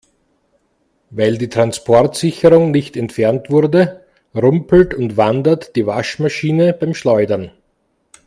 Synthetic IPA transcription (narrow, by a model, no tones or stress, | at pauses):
vaɪldiːtʁ̥anspʰɔɐtsɪçəʁʊŋnɪçtɛntfɛʁntv̥ʊʁdə | ʁʊmpl̩tʊntvandɐtd̥iːvaʃmaʃiːnəb̥aɪmʃlɔʏdɐn